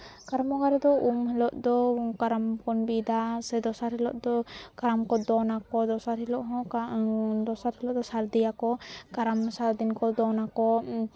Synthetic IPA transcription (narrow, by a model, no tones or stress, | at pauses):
kaɾamɔɡaɾɛd̪ɔumhɛlɔʔd̪ɔkaɾamkɔnbid̪asɛd̪ɔsaɾhɛlɔ̰ʔd̪ɔkaɾamkɔd̪ɔnakɔd̪ɔsaɾhɛlɔʔɦɔ̃ | d̪ɔsaɾhɛlɔʔd̪ɔsaɾd̪ɛjakɔkaɾamsaɾd̪inkɔd̪ɔnakɔ